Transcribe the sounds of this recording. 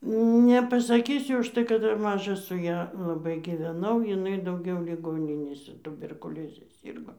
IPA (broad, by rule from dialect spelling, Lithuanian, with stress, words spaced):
nʲɛpɐsɐˈkʲiːsʲʊ ʊʃˈtɐɪ kɐt ˈdɐr ˈmɑːʒɐ sʊ ˈjɛ lˠɐˈbɐɪ ɡʲɪʋʲɛˈnɐʊ jɪˈnɐɪ dɐʊˈɡʲɛʊ lʲɪˈɡoːnʲɪnʲeːsʲɛ tʊbʲɛrkʊˈlʲoːzʲɛ ˈsʲiːrɡoː